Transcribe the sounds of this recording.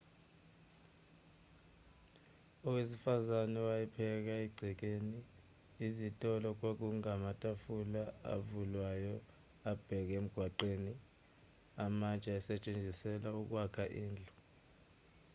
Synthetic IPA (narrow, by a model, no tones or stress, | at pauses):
ɔwesifazanɛwajɛpʰɛk̬aiɡ͡ǀʱik̬eniː | zitʼɔlɔk̬ok̬uŋamatʼafulaa̰vulwajɔ | ab̥ʱɛk̬em̩ɡ̥ʱwaǃeːni | amat͡ʃʼaɛsɛt͡ʃʼend͡zʱisɛlauk̬wakʰaʔiːnd͡ɮʱɔ̥